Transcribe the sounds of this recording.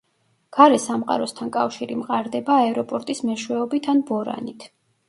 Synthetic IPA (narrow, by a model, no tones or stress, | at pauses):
ɡ̥aɾɛsamqʼa̰ɾɔst̪ʰankʼafʃiɾimqʼaɾd̪ɛbaːɛɾɔpʼɔɾt̪ʼismɛʃwɛɔbit̪ʰanbɔɾa̰nit̪ʰ